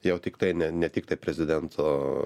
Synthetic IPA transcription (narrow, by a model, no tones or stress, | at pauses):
jɛʊt̪ʲɪkt̪ɐɪnʲɛnʲɛt̪ʲiːk̚t̪ɐɪpʲɾʲɛzʲɪd̪ʲɛnt̪ʰoː